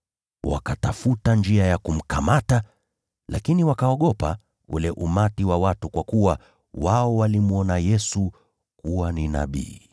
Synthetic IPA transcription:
wa̰katafutand͡ʒiajakum̩kamata | la̰kiniwakaɔɠɔpa̰ | ṵlɛʔumatiwawatukwakuwa | waɔwalimuɔnajɛsu | kuwanina̰ɓḭː

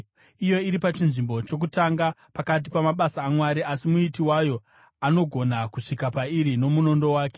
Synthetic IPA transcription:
ijo̞iɾipat͡ʃinʐimbo̞t͡ʃo̞k̬utaŋɡapakat̬ipamaɓasaːmwaɾiasimuitiwajo̞ | ano̞ɡʱo̞nakuʂikapaiɾino̞muno̞ndo̞waːke

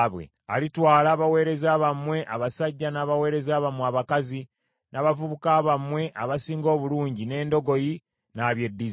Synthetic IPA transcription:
βwe̞̰ | a̰litwaːlaːβawe̞ːɾe̞zaːβamwe̞ʔaβasaɟːanaːβawe̞ːɾe̞zaːβamweaβakazi | nʔaːβavuβukaːβamwe̞ʔaβasiːŋɡo̞ːβuluːɲɟine̞ːndo̞ɡo̞ji | naβje̞dːiz

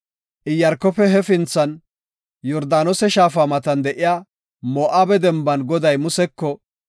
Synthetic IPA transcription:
ʔɪjːɐɾkːɔpɛɦɛfɪnt͡sːɐn | jɔɾd̪aːnɔsɛʃaːfamɐt̪ɐnd̪ɛʔɪjaː | mɔːʔaːbɛd̪ɛmbɐnɡɔd̪ɐjmʊsɛkːɔ

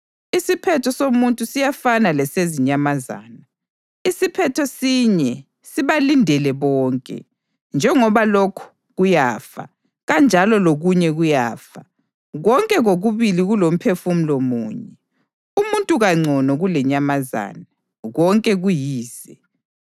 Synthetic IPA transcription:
isipʰɛtʰɔsomuntʼusijafanalɛseziɲamaza̰ːna | isipʰɛtʰɔsiɲɛ | siβalindʱɛlɛβɔːŋkʼɛ̰ | nd͡ʒʱɛŋɔβalokʰu̥ | ɣujaːfa̰ | ɣand͡ʒʱalɔloɣuɲɛɣujaːfa | ɣɔŋkʼɛɣoɣuβiliɣulom̩pʰefum̩lomuːɲɛ | umuntʼuɣaŋ͡ǀʱɔnɔɣulɛɲamaza̰ːna | ɣɔŋkʼɛɣujiːz̥ɛ

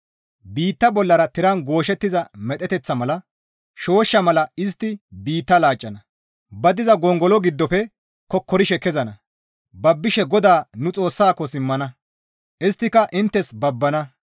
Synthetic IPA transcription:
biːt̪ːɐbɔlːɐɾɐt̪ɪɾɐnɡo̞ːʃɛt̪ːɪzɐmɛt̪ʼɛt̪ɛt͡sːɐmɐlɐ | ʃo̞ːʃːɐmɐlɐɪs̬t̪ːɪbiːt̪ːɐlaːt͡ʃʼːɐnɐ | bɐd̪ɪzɐɡɔŋɡɔlɔɡɪd̪ːɔpɛ | kɔkːɔɾɪʃɛkɛzɐnɐ | bɐbːɪʃɛɡɔd̪aːnʊt͡sʼo̞ːsːaːkːɔsɪmːɐnɐ | ʔɪst̪ːɪkɐʔɪnt̪ːɛsbɐbːɐnɐ

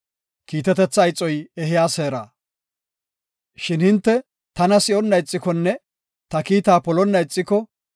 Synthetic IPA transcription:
kiːt̪ɛt̪ɛt͡sːɐjt͡sʼːɔjɛɦɪjaːseːɾa̰ː | ʃɪnhɪnt̪ːɛ | t̪ɐnɐsɪɔnːɐjt͡sʼːɪkɔnːɛ | t̪ɐkiːt̪aːpɔlɔnːɐjt͡sʼːɪkɔ

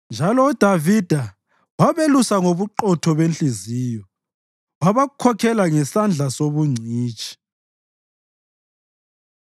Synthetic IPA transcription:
nd͡ʒʱalɔud̥ʱavid̥ʱa | waβelusaŋoβuǃɔtʰɔβent͡ɬiziːjɔ | waβaɣukʰɔkʰɛlaŋɛsand͡ɮʱasoβuŋ͡ǀʱiːt͡ʃʼi̥

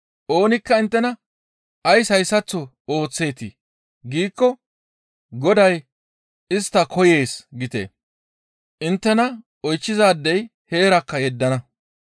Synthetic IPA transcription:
ʔo̞ːnɪkːɐɪnt̪ːɛnɐ | ɐjsɐjsɐt͡sːɔ | o̞ːt͡sːe̞ːt̪i | ɡiːkːɔ | ɡɔd̪ɐj | ɪst̪ːɐkʰɔje̞ːsɡɪt̪ḛː | ʔɪnt̪ːɛnɐ | ɔjt͡ʃːɪzaːd̪ːɛj | he̞ːɾɐkːɐjɛd̪ːɐnɐ

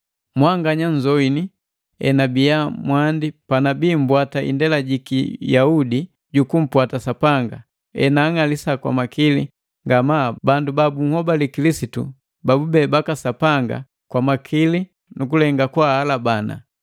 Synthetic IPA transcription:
mwaŋɡaɲaɲzɔini | ɛ̰nabijamwandipanabiːm̩bwataʔḭndɛlaɟikijaudi | ɟukum̩pwatasapaŋɡa̰ | ɛ̰naːŋalisakwa̰makili | ŋɡamabandubabuŋ̩hɔbalikilisitṵ | babubɛbakasapaŋɡa̰ | kwamakʰili | nukulɛŋɡakwahalabana̰

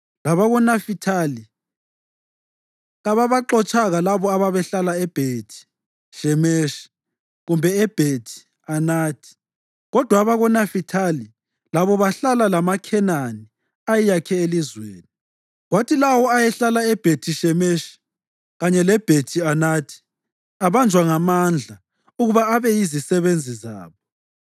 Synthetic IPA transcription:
laβaɣɔnafitʰali | ɣaβaβaǃɔt͡ʃʼaɣalaβɔaβaβɛɬalaɛb̥ʱetʰi̥ | ʃɛmeʃi̥ | ɣumbʱɛɛb̥ʱetʰi̥ | anaːtʰʼi̥ | ɣɔd̥ʱwaβaɣɔnafitʰali | laβɔβaɬalalamakʰɛnani | ajijakʰɛelizweːni | ɣwatʰilawɔajɛɬalaɛb̥ʱetʰiʃɛmeʃi̥ | ɣaɲɛlɛb̥ʱetʰianatʰi̥ | aβand͡ʒʱwaŋamand͡ɮʱa | uɣuβaːβɛjizisɛβend͡zʱiza̰ːβɔ

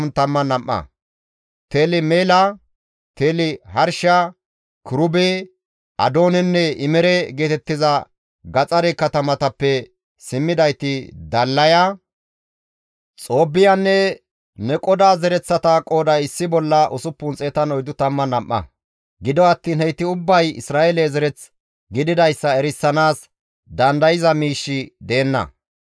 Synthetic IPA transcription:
nt̪ɐmːɐnɐmːɐ̰ | t̪e̞ːlɪmeːlɐ | t̪e̞ːlɪhɐɾʃa | kʊɾʊbe | ʔɐ̰d̪o̞ːnɛnːɛɪmɛɾɛɡe̞ːt̪ɛt̪ːɪzɐ | ɡɐt͡sʼɐɾɛkɐt̪ɐmɐt̪ɐpːɛ | sɪmːɪd̪ɐjt̪ɪd̪ɐlːɐja | t͡sʼo̞ːbːɪjanːɛ | nɛkʼɔd̪aːzɛɾɛt͡sːɐt̪ɐkʼo̞ːd̪ɐɪsːɪbɔlːɐʔʊsʊpːʊnt͡sʼeːt̪ɐnɔjd̪ʊt̪ɐmːɐnɐmʔːɐ̰ | ɡɪd̪ɔɐt̪ːiːnhɛjt̪ːɪʊbːɐjɪ̰sɾaːɛlezɛɾɛt͡s | ɡɪd̪ɪd̪ɐjsːɐɛɾɪsːɐnaːs | d̪ɐnd̪ɐjɪzɐmiːʃːɪd̪eːnːɐ̰

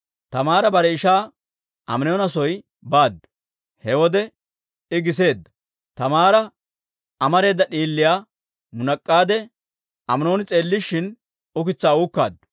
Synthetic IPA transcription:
t̪ɐmaːɾɐbɐɾɛɪʃaː | ʔɐ̰mnjonɐsɔj | baːd̪ː | hɛwɔd̪ɛ | ɪɡɪs̬e̞ːd̪ːɐ̥ | t̪ɐmaːɾɐ | ɐmɐɾe̞ːd̪ːɐɗiːlːɪjaː | mʊnɐkʼːaːd̪ɛ | ɐmno̞ːnɪt͡sʼe̞ːlːɪʃːɪn | ʊkɪt͡sːaːuːkːa̰ːd̪

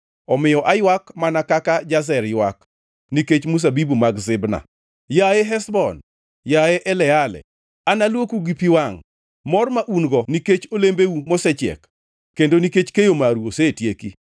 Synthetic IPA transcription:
ɔmɪjɔʔajwakmanakakad͡ʒas̬ɛɾjwak | niket͡ʃmus̬abibumaɡzɪbna̰ | jajeɦɛsbɔn | jaeʔɛlɛalɛ̰ | analwokuɡipiwaŋ | mɔrmaʔunɡɔniket͡ʃolembeumosɛt͡ʃɛ̰kː | endoniket͡ʃkejomaɾuosetjeki

